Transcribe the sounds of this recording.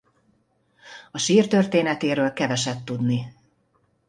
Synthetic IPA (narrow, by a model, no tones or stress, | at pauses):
ɒʃiːrt̪ørt̪eːnɛt̪eːɾøːlkɛvɛʃɛt̪ːud̪ni